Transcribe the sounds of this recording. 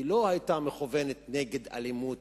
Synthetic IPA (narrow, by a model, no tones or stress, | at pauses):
ilo̞hajt̪ameχuvenet̪neɡe̞d̪a̰limut